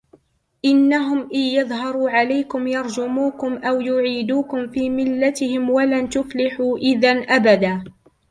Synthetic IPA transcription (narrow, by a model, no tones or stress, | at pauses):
ʔɪnːaɦʊmʔɪjɑðˤɦɑɾˤuːʕalajkʊmjɑɾˤd͡ʒʊmuːkʊmʔawjʊʕiːd̪uːkʊmfiːmɪlːat̪ɪhɪmwalant̪ʊflɪħuːʔɪðanʔabad̪aː